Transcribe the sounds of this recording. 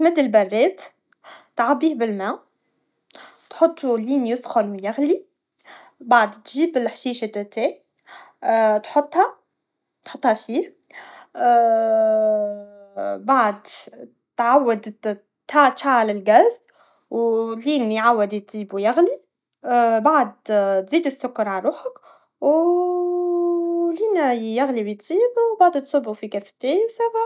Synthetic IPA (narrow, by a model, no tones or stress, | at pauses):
mɪd̪ɪlbarˤːeːt̪ | t̪ʕabiːhbɪlmaː | t̪ħʊt̪ˤːuliːnjʊsxʊnwjaɣli | baʕd̪t̪ʒiːbɪlħʃiːʃat̪t̪ːeː | t̪ħʊt̪ˤːha | t̪ħʊt̪ːˤhafiːh | baʕd̪ | t̪ʕawːad̪ | t̪at̪faʕalɪlɡaːz | wliːnjʕawːɪd̪t̪z̥iːbuwjaɣli | baʕd̪̚t̪ziːd̪ɪsːʊkːɑɾˤʕaɾuːħak | w | liːnjaɣliwjɪt̪ziːbwbaʕd̪t̪sʊbːufikast̪eːwsaɣa